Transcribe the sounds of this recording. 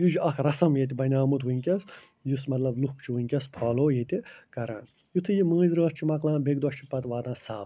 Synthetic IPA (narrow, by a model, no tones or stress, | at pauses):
jid͡ʒɐkʰɾɐsɐmjet̪̬ʲibɐnʲaːmut̪ʋuŋʲkʲɐs | jusmɐt̪lɐbluhk̚t͡ʃʰiʋuŋʲkʲɐspʰaːloːjet̪ʲikɐɾã̰ːn | jut̪ʰɨjimə̃ːzɾəːst͡ʃʰimɐklãːbeɡd̪oʃt͡ʃʰipɐt̪ʋaːd̪ãːsaːb